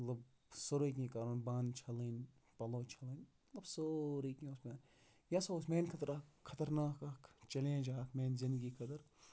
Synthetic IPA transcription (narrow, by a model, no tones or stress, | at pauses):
ɐt̪lɐb | soɾikĩkɐɾonbaːnt͡ʃʰɐlin | pɐloːt͡ʃʰɐliːn | ɐt̪lɐbsoɾikĩosmeːn | jasoosmeːnkʰɐt̪ɾakʰːɐt̪ɐɾnaːkɐkt͡ʃɐlẽd͡ʒaːkmeːnzɪnd̪ɡiːkʰɐd̪ɐɾ